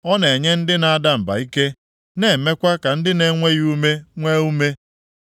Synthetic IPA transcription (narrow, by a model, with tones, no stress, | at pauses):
ɔ˦ne˨ɲe˦n̩˦dɪ˦na˨˦da˦m̩˨ba̰˨i˦ke˦ | ne˨me˦kʷa˦ka˨n̩˦dɪ˦ne˦ŋʷe˦ɣu˦me˦ŋʷe˦u˦me˦